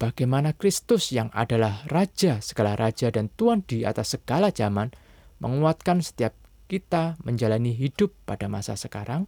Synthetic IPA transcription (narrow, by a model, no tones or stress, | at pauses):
b̥aɡ̥ajmanakɾɪst̪ʊsjaŋa̰dalahrad͡ʒasəɡ̥alaɾad͡ʒadant̪uand̥ia̰t̪asːəɡ̥alad͡ʒaman | mə̰ŋuat̪̚kansə̥t̪iap̚kit̪aməɲd͡ʒalaniɦid̥ʊpːadamasa̰səka̰ɾaŋ